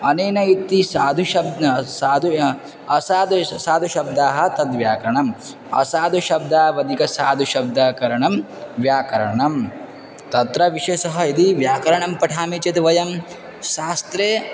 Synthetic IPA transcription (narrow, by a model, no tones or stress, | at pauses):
ɐneːnɐit̪ːisaːd̪ʱuʃɐbd̪saːd̪ʱu | ɐsaːd̪saːd̪ʱuʃɐb̚d̪aːɦɐ̆t̪ɐd̪ʋjaːkɐɾɐɳɐm | ɐ̰saːd̪ʱuʃɐb̚d̪aːɐʋɐd̪ʱikɐsaːd̪ʱuʃɐb̚d̪aːkɐɾɐɳɐm | ʋjaːkɐɾɐɳɐm | t̪ɐt̪ɾɐʋiʃɐsɐɦɐid̪iʋjaːkɐɾɐɳɐmpɐʈʰaːmit͡ʃɐt̪ʋɐjɐm | ʃaːst̪ɾeː